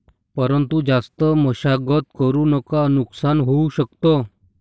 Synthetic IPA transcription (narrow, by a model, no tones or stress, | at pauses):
pəɾənt̪ud͡zast̪əməɕaɡət̪kəɾunəkanuksanɦouɕəkt̪o